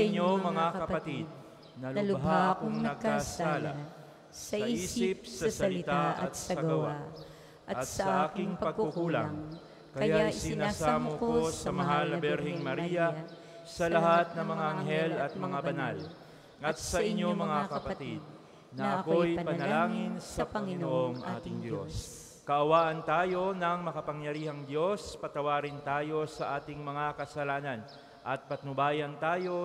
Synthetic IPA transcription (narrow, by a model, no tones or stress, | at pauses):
ʔɲːomɐŋakɐɐpɐt̪id̪̚ | nɐllɦaakʊŋnɐɐɡ̚kːasaːla̰ | sɐʔiːsiːsɪp̚sɐsɐɐlɪt̪aʔɐt̪sɐɐɡɐɐwaa | ʔɐɐtsɐʔɐaːkɪŋpɐɐɡ̚kuukula̰ | kɐɐjaaɪsɪɪnaaːsaːmokkosɐmɐɦanɐbɛɾhɪŋmɐɾijɐ | sɐlɐɦat̪̚nɐŋmɐŋaʔɐŋɦɛlɐt̪̚mɐŋabɐnal | ɐt̪̚sɐʔɪɲːo̞mɐŋakɐpɐt̪id̪̚ | nɐʔɐko̞jjnpɐnɐlaːŋɪnsɐpɐŋɪnoʔoŋʔa̰ːt̪ɪŋd̪jo̞̰s | kɐʔɐwaːʔɐnt̪aːjo̞nɐŋmɐkɐpɐŋjɐɾiːhɐŋd̪jo̞spɐt̪ɐwaːɾɪnt̪aːjo̞sɐʔaːt̪ɪŋmɐŋakɐsɐlaːnɐn | ʔɐt̪̚pɐt̪nʊbaːjɐnt̪aːjo̞